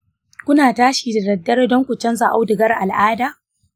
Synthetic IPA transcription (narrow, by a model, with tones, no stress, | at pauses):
kʷʊ˦naː˨taː˦ʃiː˨da˨dɐ˨dːɐ˦rdɔ˦ŋkʷu˨t͡ʃɐ˦nza˨ʔa˦wdɪ˨ɡɐ˦rʔa˨lʔaː˦daː˨